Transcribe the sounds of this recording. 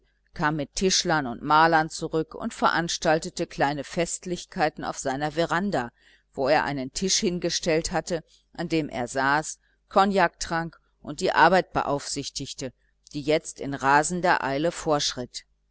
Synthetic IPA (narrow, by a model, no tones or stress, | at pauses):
kʰaːmːɪtʰːɪʃlɐnʊ̰ntmaːlɐnt͡suʁʏkʊ̰ntfɛɐʔanʃtaltətəkl̥aɪnəfɛstlɪçkʰaɪtn̩a̰ʊfz̥aɪnɐveʁanda | v̥oeːɐʔa̰ɪnəntʰɪʃhɪnɡəʃtɛlthatə | ʔandeːmʔḛːɐzaːs | kʰɔnjaːk̚tʁ̥aŋk | ʔʊnt̚d̥iːʔa̰ɐbaɪt̚b̥ə̰ʔa̰ʊfz̥ɪçtɪçtə | d̥iːjɛt͡stɪnʁaːzn̩dɐʔa̰ɪləfoːɐʃʁ̥ɪt